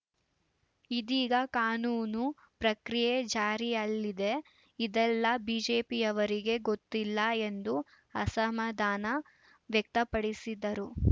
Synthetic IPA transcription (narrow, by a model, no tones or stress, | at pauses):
id̪iːɡɐkaːnuːnu | pɾɐkɾijed͡ʒaːɾiɐlːid̪e̞ | id̪ɛlːɐbiːd͡ʒeːpijɐʋɐɾiɡe̞ɡo̞t̪ːilːɐe̞nd̪u | ɐsɐmɐd̪ʱaːnɐ | ʋjɐk̚t̪ɐpɐɽisid̪ɐɾu